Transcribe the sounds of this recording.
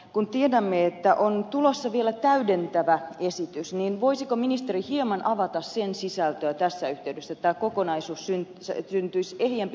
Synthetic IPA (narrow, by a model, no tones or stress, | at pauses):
kunt̪iedæmːeet̪ːæʔont̪ulosːɑʋielæt̪æydent̪æʋæesit̪ysniːnʋoisikominist̪erihiemɑnʔɑʋɑt̪ɑssensisælt̪øːt̪æsːæyht̪eydesːæt̪ːæːkokonɑisuːssyn | ssynt̪yisehjemp